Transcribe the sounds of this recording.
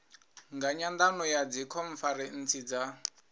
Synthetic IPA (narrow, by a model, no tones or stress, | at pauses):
ŋɡaɲand̪anɔjad͡zikʰɔɱfaɾɛn̩t͡sid͡za